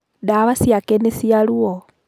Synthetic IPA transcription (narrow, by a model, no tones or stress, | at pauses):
daβasjakenesialuo